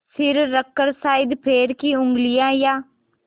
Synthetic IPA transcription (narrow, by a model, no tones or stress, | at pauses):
sɪɾːəkːəɾsaːɪd̪pʰeːɾkiʊ̃ŋɡlɪjãːjaː